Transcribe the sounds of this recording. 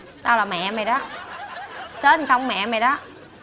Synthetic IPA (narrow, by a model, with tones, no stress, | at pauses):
t̪aː˧laː˨˩mɛ̰˧˨mɛ˨˩ɗɔ˨˦ | səː˦˥tsa˧wŋ͡mmɛ̰˧˨mɛ˨˩jɗɔ˨˦